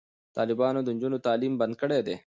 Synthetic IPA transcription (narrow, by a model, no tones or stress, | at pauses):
t̪ɑ̰ːlɪbɑːnod̪ənd͡ʒunot̪ɑːlimbɐnd̪̚kəɽed̪eː